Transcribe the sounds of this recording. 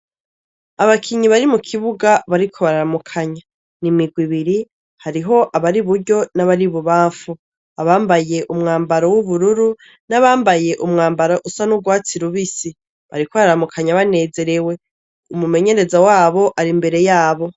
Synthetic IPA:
aβakʰiɲiβaɾimukʰiβuɡaβaɾikʰo̞βaɾaɾamukʰaɲa | nimiɡwiβiɾi | haɾiɦo̞ʔaβaɾiβuɾɟo̞naβaɾiβuβaːɱfu | aβaːmbaje̞ʔumŋaːmbaɾowuβuɾuɾu | naβaːmbaje̞ʔumŋaːmbaɾaʔusanuɡwaːt͡siɾuβisi | βa̰ɾikoβaɾaɾamukʰaɲaβane̞ːze̞ɾe̞we̞ | umume̞ɲe̞ɾe̞zawaːβo̞ʔaɾimbe̞ɾe̞jaːβo̞

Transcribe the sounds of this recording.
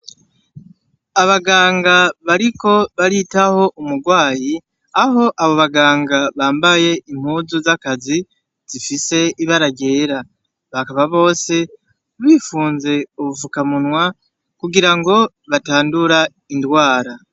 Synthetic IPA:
aβaɡaːŋɡaβaɾiko̞βaɾitaho̞ʔumuɡwaːji | aɦo̞ʔaβo̞βaɡaːŋɡaβaːmbaje̞ʔim̥huːzuzakazi | z̥ifise̞iβaɾaɟe̞ːɾa | βakaβaβo̞ːse̞ | βiːfuːnze̞uβuvukamunwa | kuɡiɾaŋɡo̞ | βataːnduɾa | indwaːɾa

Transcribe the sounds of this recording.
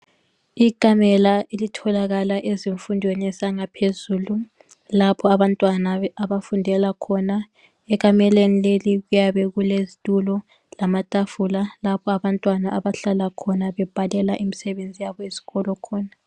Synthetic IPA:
ikʼamɛlaelitʰɔlaɣalaʔeziɱfundʱwenɛsaŋapʰezuːlu | lapʰɔaβantʼwanaaβafundʱɛlakʰɔna | ɛk̬ʼamɛlenileliɣujaβɛɣulezitʼulɔ | lamatʼafulalapʰɔaβantʼwanaaβaɬalakʰɔnaβɛb̥ʱalɛlaʔimisɛβend͡zʱijaβɔezi̥ɣɔlɔkʰɔːna

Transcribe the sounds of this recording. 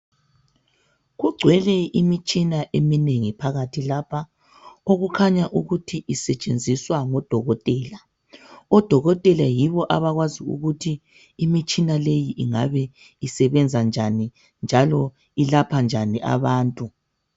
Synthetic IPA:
ɣuɡ͡ǀʱwɛlɛimit͡ʃʼinaʔemineŋipʰaɣatʰilapʰa | oɣukʰaɲaʔuɣutʰiʔisɛt͡ʃʼend͡zʱiswaŋɔd̥ʱɔɣɔtʼɛːla | ɔd̥ʱɔɣɔtʼɛlajiβɔʔaβaɣwaziṵɣutʰiː | mit͡ʃʼinalejiʔiŋa̰βɛ | isɛβɛnd͡zʱand͡ʒʱani | nd͡ʒʱalɔ | ilapʰand͡ʒʱaniʔa̰βaːntʼu

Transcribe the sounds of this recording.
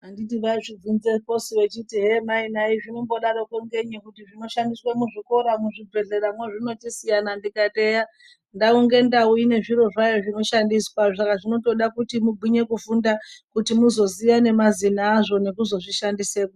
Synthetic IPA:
ɦanditiʋaʐib͡vunzeko̞siwe̞t͡ʃitiɦe̞mainaiʐino̞mbo̞ɗaɾokweŋɡe̞ɲikutiʐino̞ʃandiswamuʐiko̞ɾamuʐib͡ve̞ɮe̞ɾamweʐino̞tisijanandikate̞ja | ndauŋɡe̞ndaujine̞ʐiɾo̞ʐajo̞ʐino̞ʃandiswaʐakaʐino̞to̞ɗakutimuɡʱiɲe̞kufundakutimuzo̞zijane̞mazinaːʐo̞nekuzo̞ʐiʃandiseːko

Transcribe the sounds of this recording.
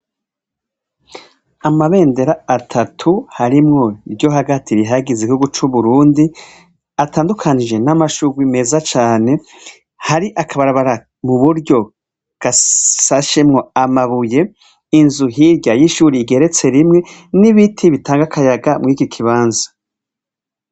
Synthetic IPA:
amaβe̞ːnde̞ɾaːtʰatʰuhaɾimŋo̞iɾɟo̞ɦaɡatiɾiɦaɡiziihuɡut͡ʃuβuɾuːndi | ataːndukʰanid͡ʒe̞namaʃuɡwime̞ːzat͡ʃaːne̞ | haɾiʔakʰaβaɾaβaɾa | muβuɾɟo̞ | ɡ̥asaʃemŋo̞amaβuje̞ | inzuɦiɾɟajiʃuːɾiɡe̞ɾe̞t͡se̞ɾimŋe̞niβitʰiβitʰaːŋɡakʰajaɡamŋiːkikʰiβaːnzḁ

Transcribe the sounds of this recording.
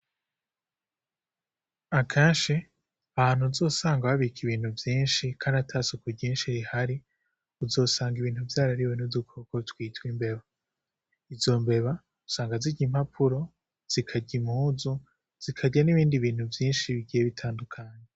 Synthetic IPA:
akʰaːnʃe | ahaːn̥huzo̞ːsaːŋɡaβaβikʰiβiːn̥huvjiːnʃikʰaːndatʰasukuɟiːnʃiɾihaɾi | uzo̞ːsaːŋɡiβiːn̥huvjaːɾaɾiwenuzukʰokotwiːtwimbe̞βa | izo̞mbe̞βa | usaːŋɡaziɟim̥hapʰuɾo̞ | z̥ikʰaɟimuːzu | z̥ikʰaɟaniβiːndiβiːn̥huvjiːnʃiβiɟijeβitʰaːndukʰaɲe

